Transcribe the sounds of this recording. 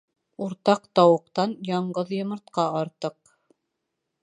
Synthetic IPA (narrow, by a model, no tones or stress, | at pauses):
uɾt̪ɑqt̪ɑwɤ̆qt̪ɑnjɑɴɢɤðjɤ̆mɤ̆ɾt̪qɑɑɾt̪ɤq